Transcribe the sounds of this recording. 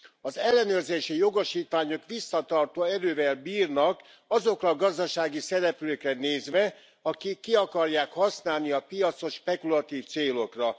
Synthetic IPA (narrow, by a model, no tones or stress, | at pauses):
ɒzɛlːɛnøːrzeːʃijo̞ɡoʃiːt̪ʋaːɲokʋisːɒt̪ɒrt̪oːɛɾøːvɛlbiːrnɒk | ɒzo̞krɒɡɒzd̪ɒʃaːɡisɛɾɛpløːkrɛneːzʋɛ | ɒkikːiɒkɒrjaːkhɒsnaːlniɒpijɒt̪so̞ʃpɛkulɒt̪iːft̪seːlo̞krɒ